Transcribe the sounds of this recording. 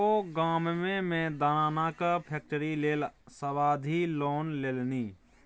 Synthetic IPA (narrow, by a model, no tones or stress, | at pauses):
oɡammemẽd̪anaːnakəpʰek̚ʈəɾileːlsəβad̪ʱiloːnlelni